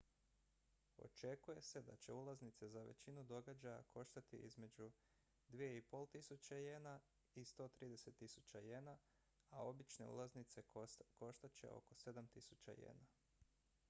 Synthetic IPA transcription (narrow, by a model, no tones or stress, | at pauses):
o̞̰t͡ʃe̞kuje̞se̞d̪at͡ɕe̞̰ulˠaznit̪se̞zaʋe̞̰t͡ɕinud̪o̞ɡad͡ʒaja̰kʰo̞ʃt̪at̪ḭʔḭzme̞d͡ʒu | d̪ʋije̞ipo̞lˠt̪isut͡ɕajeːna | ist̪o̞t̪ɾiːd̪e̞se̞t̪ːisut͡ɕaje̞na | ao̞bit͡ʃne̞ṵlˠaznit̪se̞ko̞ʃt̪at͡ɕe̞̰ʔo̞̰ko̞se̞d̪amt̪isut͡ɕa̰jḛːna